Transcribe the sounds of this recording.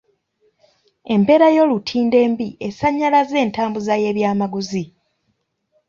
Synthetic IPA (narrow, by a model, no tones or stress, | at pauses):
e̞mpe̞ːɾajo̞ːlutʰiːnde̞ːmbiʔesaɲːalaze̞ːntaːmbuzaje̞ːβjaːmaɡuzi